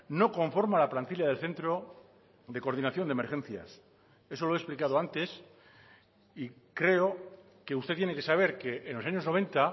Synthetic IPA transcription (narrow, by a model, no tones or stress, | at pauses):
no̞ko̞ɱfo̞ɾmalaplant̪iljaðe̞lθe̞nt̪ɾo̞ | ðe̞ko̞ɾðinaθjond̪eme̞ɾxe̞nθja̰s | e̞so̞loesplikað̞o̞ant̪e̞s | i | kɾe̞o̞ | ke̞ust̪e̞t̪je̞neke̞saβ̞e̞ɾke̞ʔenlːo̞saɲozno̞β̞ẽ̞nt̪a